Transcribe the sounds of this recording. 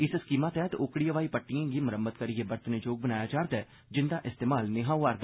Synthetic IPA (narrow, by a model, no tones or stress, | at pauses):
ɪsɪskiːmaːt̪ɛːt̪oːkɽiːəʋaːiːpəʈːɪjãːɡiməɾəmət̪kəɾiebəɾt̪neːd͡ʒoːɡ̚bənaːjaːd͡ʒaːɾd̪ɛː | d͡ʒɪnd̪aːʔɪst̪eːmaːlnɪɦãːuʋaːɾd̪aː